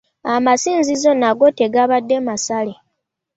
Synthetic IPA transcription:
amasiːnzizo̞naɡo̞te̞ɡaβadːe̞masale̞

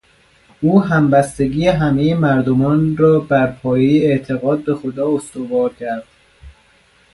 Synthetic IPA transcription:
ʔuːɦæmbæst̪e̞ɡiːjeɦæme̞jemæɾd̪omɒːnɾɒːbæɾpʰɒːjejeeʔt̪ʰeɣɒːd̪̚be̞xod̪ɒːost̪ovɒːɾcʰæɾd̪̥

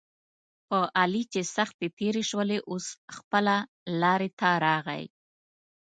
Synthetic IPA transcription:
pəʔalit͡ʃesaxt̪et̪eɾeʃwəleʔosxpəla | lɑɾet̪aɾɑɣa̰j

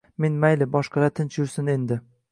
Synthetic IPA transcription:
me̞nmajlɪbɒʃqɑɾat̪ʰɪnt͡ʃjʊɾsɪne̞nd̪ɪ

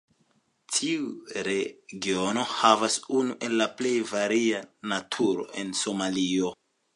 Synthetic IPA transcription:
tʰiuɾeɡio̞no̞havasunuʔe̞lːaple̞jvaɾianatʰuɾo̞̰ʔe̞nso̞malio̞

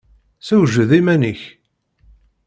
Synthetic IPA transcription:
sæwʒəðimæniç

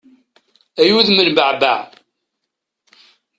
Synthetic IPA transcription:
æjuðmənbəʕba̰ʕ

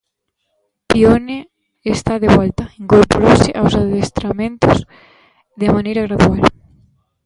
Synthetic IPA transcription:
pione | est̪aðeβalt̪aiŋkoɾpoɾoseʔawsaðest̪ɾamẽnt̪oz | ðemanejɾaɣɾaðual

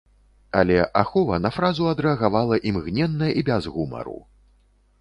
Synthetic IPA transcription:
alʲɛʔaxɔvɐnɐfɾazuɐd̪ɾɛɐɣavalˠɐʔimɣnʲɛnːɐjɐʔibʲɛzɣumɐ̰ɾṵ

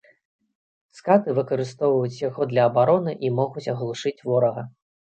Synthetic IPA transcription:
skat̪ɨvɨkɐɾɨst̪ɔwvɐjut͡sʲjaɣɔd̪lʲɐɐːbaɾɔnɨʔimɔɣut͡sʲɐɣlˠuʂɨt͡sʲvɔɾɐɣɐ

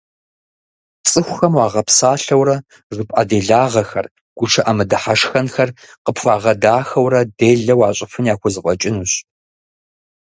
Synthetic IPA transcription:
t͡sʼɨxʷxɐmwaːʁɐpsaːɬɐwɾɐ | ʐɨpʼʔa̰ːdeːɮaːʁɐxɐr | ɡ̥ʷʊʈ͡ʂʰɐʔamɨdɐħaʂxɐnxɐr | qəpfʷaːʁɐdaːxɐwrɐdeːɮɐwaːɕʼɪfɨnjaːxʷʊzɨqʷʼɔt͡ʃʼɪnuːɕ

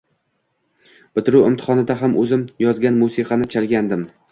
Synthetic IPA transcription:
b̥ɪt̪ɪɾuwɪmt̪ʰɪ̥χɒnɪd̪aɦamʔɵzɪmjɒzɡʲanmusiqʰɑnɪt͡ʃʰalɡʲand̪ɪm

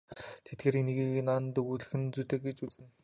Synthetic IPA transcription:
t̪ʰet̪̚ɡeːɾineɣiːnaːnt̪ɵɣuɮɘ̆xɘ̆nt͡suːt̪ĕːkɡet͡ɕut͡sɘ̆n

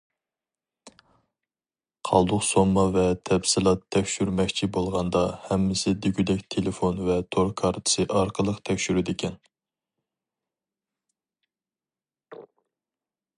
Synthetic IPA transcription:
qʰɑ̰lˠd̪ʊqsomːɑvɛt̪ʰɛbsɪlˠɑt̪ʰːɛkʲʃyɾmɛkʲt͡ʃʰibolˠʁɑnd̪ɑhɛmːɪsɪd̪yɡʲyd̪ɛkʲt̪ʰelɪfonvɛt̪ʰoɾkʰɑɾt̪ʰɨ̥sɨʔɑɾqʰəlˠəqt̪ʰɛkʲʃyɾɪd̪ɪkʲʰɛn

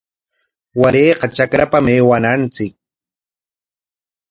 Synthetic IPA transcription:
waɾeːqɑt͡ʃakɾapameːwanant͡sɪk̚

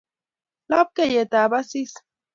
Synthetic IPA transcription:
lap̚kejet̪abasis

